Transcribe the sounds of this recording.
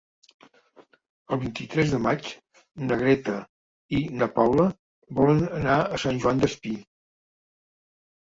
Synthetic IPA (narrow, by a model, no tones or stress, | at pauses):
əlˠβint̪it̪ɾɛzðəmat͡ʃ | nəɣ̞ɾɛt̪ə | inəpawlə | βɔlənənaəsanʲʒuand̪əspi